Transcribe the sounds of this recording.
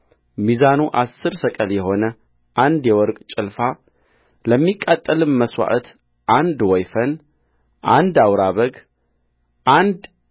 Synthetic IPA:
mizanuʔasːɨɾsəkʼəljɛɦo̞nə | ʔand̪jɛwɔɾkʼt͡ʃʼɪlfa | ləmːikʼːat̪ʼːəlɨnməswa̰ʔət̪ | ʔand̪wɔjfən | ʔand̪awɾaβəɡ | ʔand̪

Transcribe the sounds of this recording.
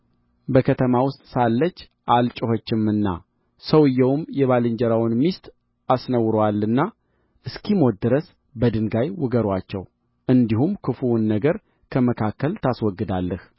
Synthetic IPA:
bəkʰət̪ʰəmawʊst̪ʼsalːət͡ʃː | ʔalt͡ʃʼɪhot͡ʃːɪmɨnːa̰ | səwɨjːɛwʊmjɛβalɨɲd͡ʒəɾawnmist̪ʼ | asnəwɾəwalːɨnːa | ʔɨskʰimot̪̚d̪ɨɾəs | bəd̪ɨŋɡajwʊɡəɾwat͡ʃːɛ̰w | ʔɨnd̪ihumkʰɨfuwnːəɡəɾ | kʰəməkʰakːəlt̪ʰaswɔɡːɨd̪alːəh

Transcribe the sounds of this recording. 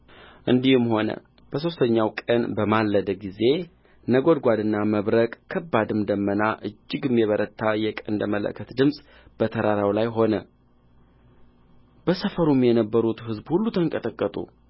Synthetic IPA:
ʔɨnd̪ihɨmho̞nə̰ | b̥əs̬o̞st̪ʰəɲːawkʼənbəmalːəd̪əɡize̞ | nəɡo̞d̪ɡʷad̪ɨnːaməβɾəkʼkʰːəbːad̪ɨmd̪əmːənaʔɨd͡ʒːɪɡɨmːjɛβəɾət̪ʰːajɛkʼənd̪əmələ̰kʰːət̪d̪ɨmsʼ | b̥ət̪ʰəɾaɾawlajɦo̞nə | b̥əsəfəɾumjɛnəbːəɾut̪hɨzbhulːut̪ʰəŋkʼət̪ʼəkʼːət̪ʼṵ

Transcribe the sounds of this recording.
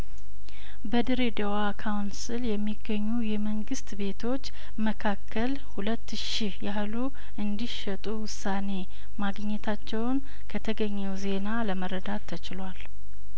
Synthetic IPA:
bəd̪ɨɾed̪əwakʰawnsɨljɛmːiɡːəɲːujɛməŋɡɨst̪be̞t̪ʰo̞t͡ʃː | məkʰakːəl | hulət̪ːʃihjalu | ɨnd̪iʃət̪ʼuwʊsːane̞ | maɡɲːɛt̪ʰat͡ʃːɛwn | kʰət̪ʰəɡəɲːɛwze̞naləməɾəd̪at̪ʰːət͡ʃɪlwal

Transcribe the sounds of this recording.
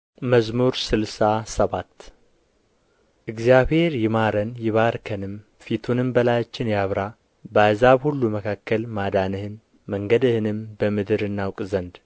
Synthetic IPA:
məzmuɾsɨlsasəβat̪ː | ʔɨɡzijaβhe̞ɾjɪmaɾənjɪβaɾkʰənɨm | fit̪ʰunɨmbəlajat͡ʃːɪnjaβɾa | bazaβhulːuməkʰakːəlmad̪anɨhɨn | məŋɡəd̪ɨhɨnɨmbəmɨd̪ɨɾɨnːawkʼzənd̪

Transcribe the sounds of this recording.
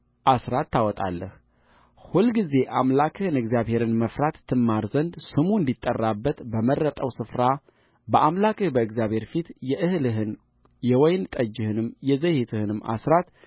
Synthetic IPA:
ʔasɾat̪ːawɔt̪ʼa̰lːə̰h | hulɡize̞ʔamlakʰɨhɨnɨɡzjaβhe̞ɾɨnməfɾat̪ʰːɨmːaɾzənd̪sɨmuɨnd̪it̪ʼːərːabːət̪bəmərːət̪ʼəwsɨfɾa | bəʔamlakʰɨhbəɨɡzjaβhe̞ɾfit̪jɛʔɨhlɨɦɨn | jɛwɔjnt̪ʼəd͡ʒːɪhɨnɨmjɛzəjhet̪ʰɨhɨnɨma̰sɾat̪

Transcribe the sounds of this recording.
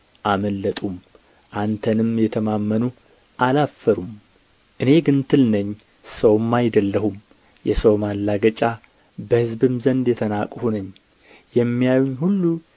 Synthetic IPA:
ʔaməlːət̪ʼum | ʔant̪ʰənɨmjɛt̪ʰəmamːənu | ʔalafːəɾum | ʔɨne̞ɡɨnt̪ʰɨlnəɲː | səwmːajd̪əlːəhum | jɛsəwmalːaɡət͡ʃʼa | bəhɨzbɨmzənd̪jɛt̪ʰənakʼhunəɲː | jɛmːijajuɲhulːu

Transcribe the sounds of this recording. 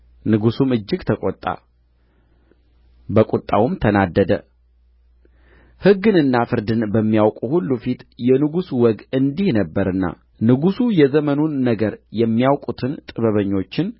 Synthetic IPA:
nɨɡusumɨd͡ʒːɪɡt̪ʰəkʼɔt̪ʼːa̰ | bəkʼut̪ʼːawumt̪ʰənad̪ːəd̪ə | hɨɡːɨnɨnːafɨɾd̪ɨnbəmːijawkʼuhulːufit̪jɛnɨɡuswɔɡɨnd̪ihnəbːəɾɨnːa̰ | nɨɡusujɛzəmənunːəɡəɾjɛmːijawkʼut̪ʰɨnt̪ʼɨβəβəɲːo̞t͡ʃːɪn

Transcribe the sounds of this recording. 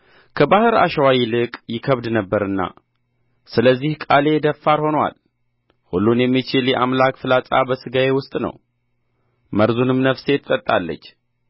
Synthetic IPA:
kʰəbahɨɾa̰ʃəwajilɨkʼjɪkʰəβd̪nəbːəɾɨnːa̰ | sɨləzːihkʼale̞d̪əfːaɾho̞nwa̰l | hulːunjɛmːit͡ʃɪljɛʔamlakʼfɨlatʼa̰bəsɨɡae̞wʊst̪ʼnə̰w | məɾzunɨmnəfse̞t̪ʰɨt̪ʼət̪ʼːalːə̰t͡ʃː

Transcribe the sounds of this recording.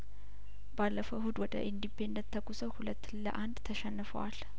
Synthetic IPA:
balːəfəwhud̪wɔd̪ə̰ʔind̪ipʰe̞nd̪ət̪ʰːəɡusəwhulət̪ːlə̰ʔand̪t̪ʰəʃɛnːɨfə̰wal

